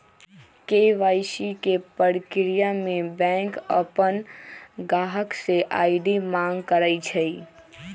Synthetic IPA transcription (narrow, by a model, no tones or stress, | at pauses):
keʋaːjʃikepəɽkɾijamẽbɛ̃ŋkəpənɡaɦəkseʔaɪɖimãŋɡkəɾəjt͡ʃʰəi